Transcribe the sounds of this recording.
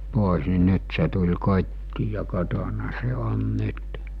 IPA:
poˑis ni nyt se tulʲ kotʲtiː jɑ kotonɑ se on nyt

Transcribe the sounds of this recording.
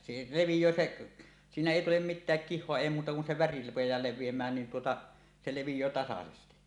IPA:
se leʋijˑøː seʔ siːnæ eˑi tulem mitˑæːk kihˑoɑ eˑi muːtɑ kun se ʋæri rupejˑɑː leʋˑiemˑæːn niːn tuotɑ se leʋijˑøː tɑsɑsesti

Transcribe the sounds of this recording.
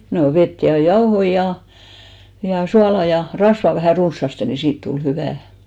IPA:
no ʋet jɑ jɑohoi jɑ jɑ suɑlɑ jɑ rɑsʋɑ ʋæhæˑ runsːɑste ni siːt tul hyʋæˑ

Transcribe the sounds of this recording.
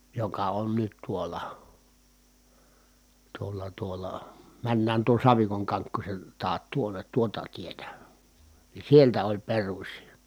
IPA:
jokɑ on nyt tuolɑ tuolːɑ tuolːɑ mænːæːn tuon̞ sɑʋikoŋ kɑŋkːusʲen tɑːt tuonˑet tuotɑ tietæ ni sieltæ olʲ perusʲi

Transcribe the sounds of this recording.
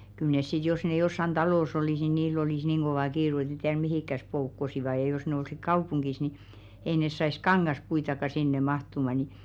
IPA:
kyl nes sit jos ne josːɑn d̥ɑloˑs oliˑs ni niːlː oliˑs niːŋ ɡ̊oʋɑˑ kiːru et ne tiær mihikːæs poukːosiʋɑ jɑ jos ne olsik kɑupuŋɡ̊is ni ei nes sɑis kɑŋːɑspuitɑkɑ sinːe mɑhtumɑ ni

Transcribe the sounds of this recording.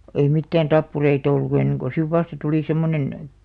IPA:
ei mitːæːn tɑpːureit olːu enːeŋ ko siʋ ʋɑstɑ tuliˑ semːonen

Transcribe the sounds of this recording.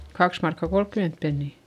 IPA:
kɑks mɑrkːɑ kolkːyment penːiˑ

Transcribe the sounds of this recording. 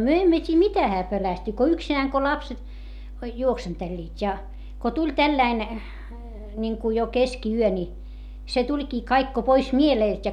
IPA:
myø emːø tʲiː mitæ hæː pølæsty ko yksinæːŋ ko lɑpset juoksentelʲːiːtʲ jɑ ko tulʲ tælːæin nʲiŋku jo keskiyø nʲi se tulʲkiː kɑik ko pois mieleˑlt jɑ

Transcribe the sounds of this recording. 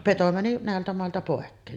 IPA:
peto mæni næˑeltæ mɑˑeltɑ poˑekːeːn

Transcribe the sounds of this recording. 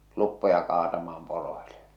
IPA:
lupːojɑ kɑːtɑmɑːm poroile

